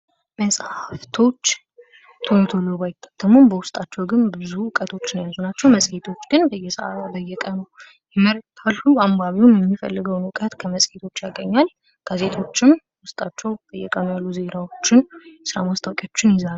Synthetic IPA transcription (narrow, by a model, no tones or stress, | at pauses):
məsʼhaft̪ʰo̞t͡ʃː | t̪ʰont̪ʰo̞loβajɪt̪ʰːḁt̪ʰəmːombəwʊst̪ʼat͡ʃːɛwɡɨnbɨzuʊkʼət̪ʰo̞t͡ʃːnjazunat͡ʃːɛwməsʼhet̪ʰo̞t͡ʃːɡ̥ɨnbəjːɛsəʔa̰abəjːɛkʼənəw | jɛməɾt̪ʰalːuambaβiwumjɛmːifə̰lːɨɡəwnwʊkʼət̪kʰəməsʼhet̪ʰo̞t͡ʃːjaɡəɲːal | ɡ̥aze̞t̪ʰo̞t͡ʃːɪm | wʊst̪ʼat͡ʃːɛwb̥əjːɛkʼənojalːuze̞nawo̞t͡ʃːɪnɛsɨɾa̰mast̪ʰawkʼjot͡ʃːɪnjɪzan